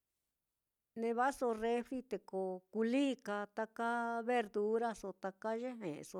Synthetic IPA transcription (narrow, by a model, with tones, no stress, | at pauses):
nẽ˧βa˦so˧re˦fɾi˦t̪e˨ko˨˧ku˧liː˦ka˧t̪a˧ka˦βe˧ɾd̪u˧˦ɾa˦so˧t̪a˧ka˦ʒe˦ɦḛ̃˨˧so˧